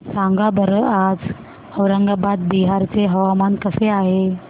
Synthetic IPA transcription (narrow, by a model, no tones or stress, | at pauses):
sãŋɡabəɾəad͡z | əwɾəŋɡabad̪̚biɦaɾt͡seɦəʋamankəseaɦe